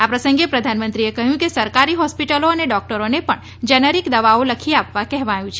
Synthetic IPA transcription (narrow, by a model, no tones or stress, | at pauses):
apɾəsəŋɡepɾəd̪ʱanmə̃nt̪ɾiekəɦjũkesəɾkaɾiɦɔspiʈəloəneɖɔk̚ʈəɾonepəɳ | d͡ʒənəɾikd̪əʋaoləkʰiapʋakɛɦʋãjũt͡ʃʰ